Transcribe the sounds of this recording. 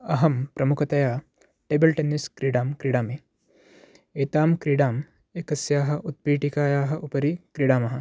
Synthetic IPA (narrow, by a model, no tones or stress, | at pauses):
ɐɦɐmpɾɐmukʰɐt̪ɐjaː | ʈeːbɐlʈenːiskɾiɽaːmkɾiɽaːmeː | eːt̪aːmkɾiɽaːm | ekɐsjaːɦɐ̆ʔut̪̚pɾiːʈikaːjaːɦɐ̆ʔupɐɾikɾiɽaːmɐɦɐ̆